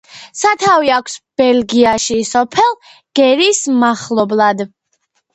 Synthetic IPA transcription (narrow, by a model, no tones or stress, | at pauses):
sat̪ʰaviakʷʰsb̥ɛlɡiaʃisɔpʰɛlˠ | ɡ̥ɛɾismaχlˠɔblˠad̪